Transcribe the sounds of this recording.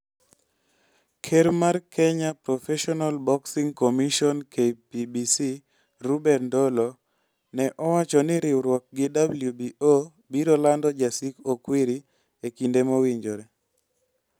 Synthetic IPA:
kʰeɾmarkʰɛɲapɾɔfɛʃɔnalbɔksiŋkomiʃɔnkʰepibisi | ɾubɛrndolo | nɛʔɔwat͡ʃɔnɪɾɪwɾwɔk̚ɡɪdabljubio | biɾɔlandɔd͡ʒasikokwiɾi | ekindemowiɲd͡ʒoɾɛ

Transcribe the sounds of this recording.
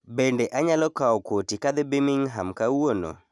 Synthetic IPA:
bendeʔaɲalɔkaɔkotikad̪ɛbɪmɪŋɦamkawono̰

